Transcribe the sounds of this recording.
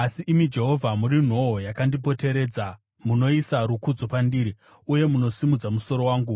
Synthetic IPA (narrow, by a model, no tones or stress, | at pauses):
asiʔimid͡ʒe̞ɦo̞vʱamuɾin̤o̞ojakandipo̞te̞ɾe̞ːd͡za | muno̞isaɾukud͡zopandiːɾi | uje̞muno̞simud͡zamuso̞ɾo̞waːŋɡu